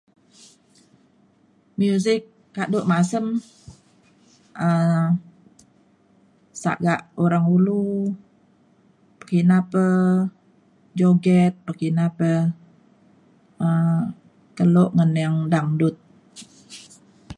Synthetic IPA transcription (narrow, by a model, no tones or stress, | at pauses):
mjuzɪk̚ː | aʔdoʔmasəm | ə | sa̰ʔɡaʔoɾaŋulu | pə̥kinapə | d͡ʒoɡɛt̪̚pəkinapə | ə | kəloʔŋənjaŋdaŋdʊt̪̚